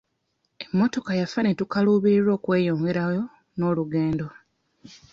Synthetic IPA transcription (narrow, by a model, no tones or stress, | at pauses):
emːo̞to̞kajafanetukaluβiiɾo̞ːkwe̞ːjo̞ːŋɡe̞ɾajo̞ | no̞ːluɡe̞ːndo̞